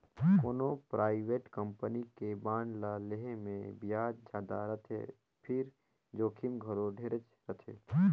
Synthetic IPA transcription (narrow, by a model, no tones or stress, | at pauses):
koːnopɾʔaːɪʋeːʈkəmpənikebaːnlaleɦemḛ̃bijaːd͡ʒd͡ʒaːd̪a̰ɾət̪ʰḛ | pʰɪɾ | d͡ʒoːkʰɪmɡʱəɾoɖʱeːɾət͡ʃ | ɾət̪ʰḛː